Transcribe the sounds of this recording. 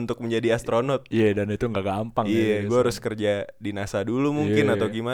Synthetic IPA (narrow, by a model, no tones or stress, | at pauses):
nt̪ʊk̚məɲd͡ʒadiast̪ɾonɔt̪̚ijadanit̪uŋɡaɡampaŋijaɡuaɾʊskərd͡ʒadinasadulumuŋkɪnat̪awɡima